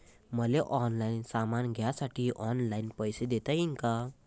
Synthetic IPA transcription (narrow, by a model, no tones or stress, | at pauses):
mʌleʔɔnlaɪnsamanɡʱjasaʈʰiʔɔnlaɪinpʌjsed̪et̪əiŋkʌ